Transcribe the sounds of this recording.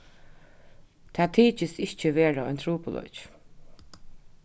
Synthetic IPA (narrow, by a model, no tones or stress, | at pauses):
t̪ʰaːt̪ʰiːt͡ʃɪsɪht͡ʃəʋeːɹaɔ̰jnt̪ʰɾuːpʊlɔ̰t͡ʃ